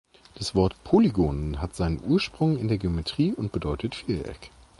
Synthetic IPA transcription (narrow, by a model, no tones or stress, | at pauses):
d̥asv̥ɔɐtpʰoliɡoːnənɦatz̥aɪnənʔuːɐʃpʁ̥ʊŋɪndeːɐɡeometʁ̥iːʔʊntb̥ədɔʏtʰətfiːʔɛ̰k